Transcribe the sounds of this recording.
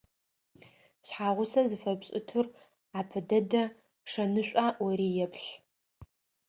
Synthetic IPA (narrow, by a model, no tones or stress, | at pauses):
sħaːʁʷʊsɐzɨfɐbɕʼɪtʰɨr | aːpʰɨdɐdɐ | ʂɐnɨɕʷʼaːʔwɐɾiːjɛpʰɬ